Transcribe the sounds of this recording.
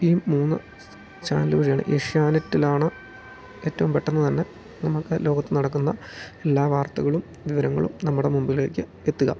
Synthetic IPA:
iːmuːnːɨ̰ | t͡ɕa̰ːnlɨʋiʂɐjaːɳɨ̰ʔeʂjaːnɐtːilaːɳɨ | e̞ːtːɐʋumpeʈːenːɨt̪ɐnːe | nɐmukːɨlo̞ːɡɐt̪ːɨnɐɽɐkːunːɐ | e̞lːaːʋaːrt̪ɐɣɐɭum | ʋiʋɐɾɐŋːɐ̰ɭṵmnɐmːuɽe̞mumbile̞ːkːɨ | et̪ːuɣɐ̰

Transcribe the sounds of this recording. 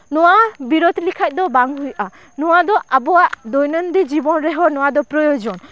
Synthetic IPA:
nɔwabiɾɔd̪ʱlikʰac̚ˀd̪ɔbaŋɦujʔa | nɔwad̪ɔʔabɔwaʔd̪ɔjnənd̪id͡ʒibɔnɾɛɦɔnɔwad̪ɔpɾɔjɔd͡ʒɔn

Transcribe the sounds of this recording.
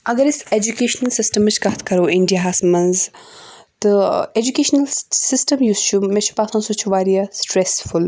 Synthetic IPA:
ɐɡɐɾised͡ʒukeːʃnɐlsɪsʈɐmːɨt͡ʃʰkɐɦt̪ʰkɐɾoːɪɳɖijaɦaːsmɐnz | t̪ɨed͡ʒukeːʃnɐlsɪsʈɐmjuːst͡ʃʰumẽt͡ʃʰu̥paːsʰãnsot͡ʃʰuʋaːɾijasʈɾesful

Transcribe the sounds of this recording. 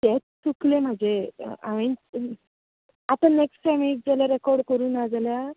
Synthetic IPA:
t̪ɛt͡stuklem̤ad͡zḛa̰ʋẽn | at̪ãneksʈsamiʈ̚d͡zaljaɾɛkɔɾɖkəɾuːnad͡zalja

